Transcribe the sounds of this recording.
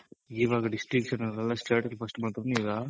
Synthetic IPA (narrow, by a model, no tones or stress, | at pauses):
iːʋaːɡɐɖisʈɾikʂɐnɐɾɐlːasʈeːʈɐlpʰɐsʈmaːɽt̪ɐɾniːɡa